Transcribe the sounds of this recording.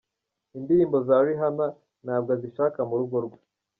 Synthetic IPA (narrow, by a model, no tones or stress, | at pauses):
indiɾiːmbo̞zaɾiɦana | naːbɡoziʃaːkamuɾuɡoɾɡwḁ